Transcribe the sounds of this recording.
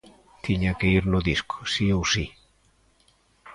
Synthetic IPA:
t̪iɲakeiɾnuðisko̥siowsi

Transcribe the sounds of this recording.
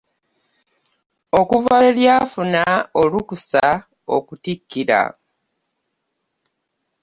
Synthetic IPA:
o̞kuvaeljaːfunaolukusa | o̞̰kutikːiɾa̰

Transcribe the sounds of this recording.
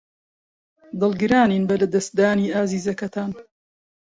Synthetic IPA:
d̪ɨlˠɡɨɾaːniːnbɐlɐd̪ɐst̪̚d̪aːniːʔaːziːzɐkɐt̪ʰaːn

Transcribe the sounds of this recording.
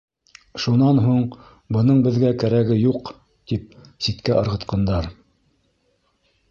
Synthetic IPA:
ʃunɑnɦuɴ | bɤ̆nɤɴbɘ̆ðɡækæɾæɡɘjuq | t̪ip̚sit̪kæʔɤ̆ɾʁɤ̆t̪qɑnd̪ɑɾ

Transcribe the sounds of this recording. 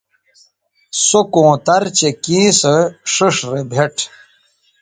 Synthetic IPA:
sokõːt̪ɐɾt͡ɕekĩːsɐʂuʂɾebʱeʈʰ

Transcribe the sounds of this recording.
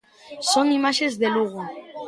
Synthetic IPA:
soŋimaʃezðeluɣ̞o

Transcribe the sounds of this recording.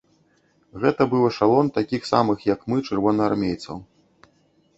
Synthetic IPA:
ɣɛt̪ɐbɨwɐʂalˠɔnt̪akʲixsa̰mɨxjɐkmɨt͡ʂɨrvɔnɐarmʲejt̪sɐ̰w

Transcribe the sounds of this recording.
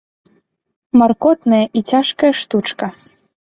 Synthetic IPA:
markɔt̪nɐjɐʔit͡sʲaʂkɐjɐʂt̪ut͡ʂkɐ

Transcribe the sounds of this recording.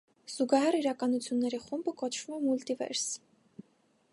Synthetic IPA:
z̥uɡɑɦɛriɾɑkɑnut͡sʰjunːɛɾiχumbəkɔt͡ʃʰvumɛmult̪ivɛ̰ɾs

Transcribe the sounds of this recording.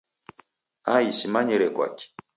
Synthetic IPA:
aisimaɲiɾɛkwa̰ki̥

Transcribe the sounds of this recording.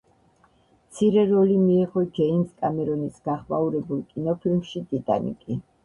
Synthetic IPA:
mt̪sʰiɾɛɾɔlimiɛʁɔd͡ʒɛinskʼamɛɾɔnisɡ̥aχma̰uɾɛbulˠkʼinɔpʰilmʃid̪id̪a̰nḭkʼi

